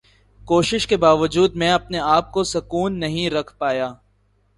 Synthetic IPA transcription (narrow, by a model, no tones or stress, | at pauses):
koːʃɪʃkebaːʋəd͡ʒuːd̪̚mɛ̃ɐpneaːp̚kosɐkuːnːɐɦĩɾɐkʰpaːjaː